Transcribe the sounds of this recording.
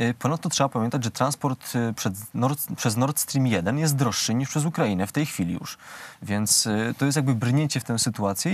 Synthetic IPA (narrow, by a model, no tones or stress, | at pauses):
pɔnat̪ːɔtʂɛbapamʲjɛnt̪ad͡ʑʐɛt̪ɾanspɔɾt̪pʂɛnɔɾpʂɛznɔɾt̪st̪ɾʲimʲjɛd̪ɛnjɛst̪̚d̪ɾɔʂːɘɲiʂpʂɛzukɾainɛft̪ɛjxfʲilʲḭjṵʂvʲjɛnt̪st̪ɔjɛst̪jaɡbɘbɾɲeɲt͡ɕɛft̪ɛw̃sɘt̪uat̪sʲjɛ